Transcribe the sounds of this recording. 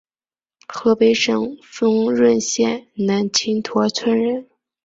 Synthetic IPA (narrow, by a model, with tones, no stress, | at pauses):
xɤ˧˥pe˧˥ɪʂɤ˨˩ŋfɤ˥ŋɻwə˥˧nɕjɛ˥˩nna˧˥nt͡ɕʰi˥ŋt̪ʰwɔ˧˥t͡sʰwə˥nɻə˥˩˦n